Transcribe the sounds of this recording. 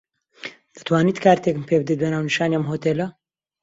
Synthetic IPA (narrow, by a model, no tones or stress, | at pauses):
d̪̥ɨ̥t̪ʰwaːniːt̪kʰaːɾt̪ekmpʰeb̚ɨd̪et̪bɐnaːwniʃaːniɐmɦoːt̪elɐ